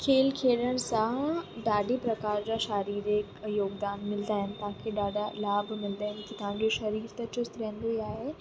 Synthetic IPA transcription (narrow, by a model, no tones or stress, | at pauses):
kʰeːlkʰeːɽəɽ̃sãɖaːɖʱipɾɐkaːɾd͡ʑaʃaːɾiːɾeːkjoːɡd̪aːnmɪld̪aːɦɪnt̪ãkʰeɖaːɖalaːbmɪld̪aːɦɛnk̪it̪ɐɦãːd͡ʑoʃɐɾiːɾt̪ɐt͡ɕʊst̪ɾɛ̃ːnd̪eaːɦe